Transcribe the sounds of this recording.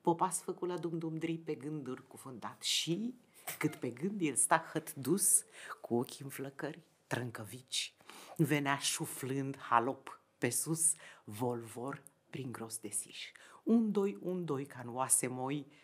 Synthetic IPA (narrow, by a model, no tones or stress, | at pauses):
popasfəkulad̪umd̪umd̪ɾipeɡɨnd̪urʲkufɨnd̪at̪ʃi | kɨt̪pe̞ɡɨnd̪jelst̪axət̪d̪uskʰuokʲiɨnfləkərʲ | t̪ɾəŋkəvit͡ʃʲve̞neaʃuflɨnd̪halo̞p | pesusvo̞lvor | pɾiŋɡɾo̞sd̪e̞siʃund̪ojund̪ojkanuwasemo̞j